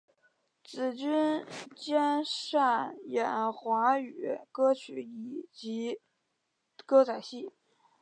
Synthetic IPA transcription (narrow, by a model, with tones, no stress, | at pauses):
t͡sɹ̩˨˩t͡ɕy˥nt͡ɕjɛ˥nʂa˥˩njɛ˨˩nxwa˧˥y˨˩˦kɤ˥t͡ɕʰy˧˥i˨˩t͡ɕi˧˥ | kɤ˥t͡sʰa˨˩ɪɕi˥˩